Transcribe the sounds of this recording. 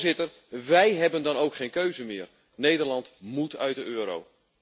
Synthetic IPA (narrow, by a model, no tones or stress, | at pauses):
zɪtər | ʋɛjɦɛbəndɔnowkχeːnkøɥzəmɪːər | nejdərlɑntmutʰœ̰ɥt̚dəøːəɾo̰w